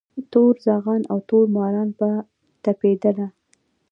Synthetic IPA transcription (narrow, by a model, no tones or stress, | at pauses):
t̪oɾzɑɣɑnawt̪oɾmɑɾɑnpa | t̪aped̪əla